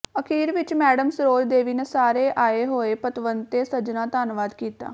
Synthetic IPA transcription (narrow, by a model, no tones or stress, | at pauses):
əkʰiːɾʋɪt͡ʃmɛːɖəmsɾoːld̪eːʋiːneːsaːɾeːʔaːeːɦoːeːpət̪ʋənt̪eːsəd͡ʒnaːt̪aːnʋaːd̪kiːt̪a̰ː